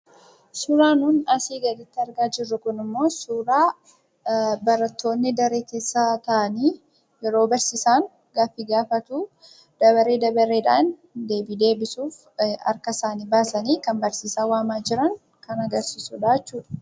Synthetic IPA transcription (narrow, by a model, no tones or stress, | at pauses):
suːɾaːnuːnɐsiːɡɐd̪ɪt̪ːɪɐɾɡaːd͡ʒɪrːʊkʊnɪmːo̞ːsuːɾaː | bɐɾɐt̪ːo̞ːnːɪd̪ɐɾeːke̞ːsːaːt̪ɐʔɐniː | jɛɾo̞ːbɐɾsiːsaːŋ | ɡaːfːiːɡaːfɐt̪uː | d̪̥ɐβɐɾe̞ːd̪ɐbɐɾeːᶑaːnd̪e̞ːbiːd̪e̞ːbɪsuːf | ɐ̰ɾkɐɪsaːniːbaːsɐniːkɐmbɐɾsiːsaːwaːmaːd͡ʒɪɾɐŋ | kɐnɐɡɐɾsiːsʊᶑaːt͡ʃːuːᶑɐ̥